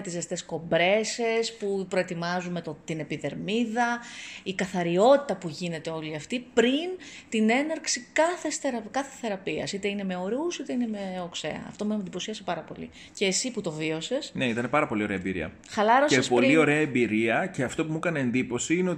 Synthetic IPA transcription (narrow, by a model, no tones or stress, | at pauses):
t̪izest̪e̞sko̞mbɾe̞sespupɾo̞e̞t̪imɐzumet̪t̪ine̞piðe̞ɾmiðɐikɐθɐɾio̞t̪i̥t̪ɐpuʝine̞t̪e̞o̞liɐft̪ipɾint̪ine̞nɐɾksikɐθe̞sθeɾɐkɐθeθe̞ɾɐpiɐ̰sit̪e̞ine̞me̞o̞ɾusit̪e̞ine̞meokse̞̰ɐ̰ɐ̰ft̪o̞mend̪ipo̞siɐsepɐɾɐpo̞lḭ | ce̞ːsiput̪o̞vio̞se̞sne̞it̪ɐne̞pɐɾɐpo̞lio̞ɾe̞ɐembiɾḭɐ̰ | xɐlɐɾo̞seespo̞lio̞ɾe̞ɐembiɾiɐce̞ɐft̪o̞pumukɐneːnd̪ipo̞siineo